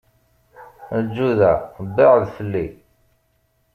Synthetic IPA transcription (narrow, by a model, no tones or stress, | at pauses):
əd͡ʒːuðæbːiʁðfəlːi